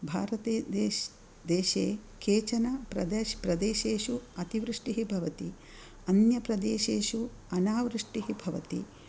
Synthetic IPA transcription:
bʱa̰ːɾɐt̪eːd̪e | d̪eːʃeːkeːt͡ʃɐnɐpɾɐd̪ɐpɾɐd̪eːʃeːʃuɐt̪iʋɾiʂʈiɦibʱɐʋɐt̪i | ɐnjɐpɾɐd̪eːʃeːʃu | ɐnaːʋɾiʂʈiɦibʱɐʋɐ̰t̪ḭ

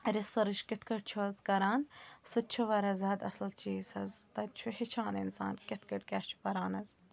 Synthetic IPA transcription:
ɾɪsɐɾɨʃkɪt̪kɐʈ̚t͡ʃʰuɐzkɐɾaːnsɨt͡ʃʰuʋɐɾɐzɐd̪ɐ̰slt͡ʃiːzɐzt̪ɐt͡ʃʰuhit͡ʃʰaːnḭnsa̰ːnkʲɪt̪kɐʈkʲaːʃt͡ʃʰu̥pɐɾaːnɐz

